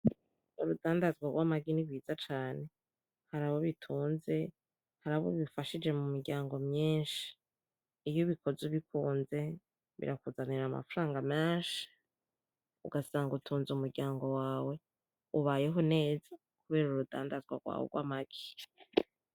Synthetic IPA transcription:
uɾudaːndazɡwaɾɡwaːmaɡiniβwiːzat͡ʃaːne̞ | haɾaβo̞βitʰuːnze̞ | haɾaβo̰βifaʃid͡ʒe̞mumiɾɡɟaːŋɡo̞mɲiːnʃi̥ː | βjoβiko̞ziβikuːnze̞ | βḭɾakuzaniɾama̰fuɾaːŋɡameːnʃi̥ | ṵɡasaːŋɡutʰuːnzumuɾɟaːŋɡo̞waːwe̞ | uβaje̞ɦo̞ne̞ːz̥a | kuβe̞ːɾuɾuda̰ːndazɡwa̰ɾɡwa̰ːwḛɡwa̰ːmaɡ̥i̥

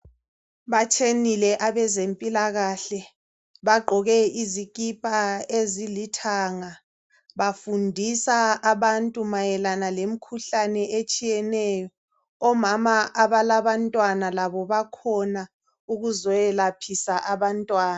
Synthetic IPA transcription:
βat͡ʃʰʼenilɛʔaβɛzempʼilaɣaɬɛ | βaɡ͡ǃʱɔɣɛiziɣʼipʼaezilitʰaŋa | βafundʱisaaβantʼumajɛlanalem̩kʰuɬanɛʔet͡ʃʼijɛnɛːjɔː | mamaʔaβalaβantʼwanalaβɔβakʰɔna | uɣuzɔɛlapʰisaʔaβantʼwaːna

